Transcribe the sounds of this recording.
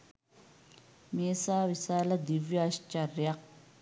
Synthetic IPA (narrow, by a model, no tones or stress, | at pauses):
meːsaːʋisaːlɐd̪iʋjɐːʃt͡ʃɐrjɐk̚